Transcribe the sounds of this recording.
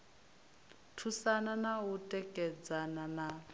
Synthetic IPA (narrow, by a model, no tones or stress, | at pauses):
tʰusananautʼɛkʼɛd͡zanana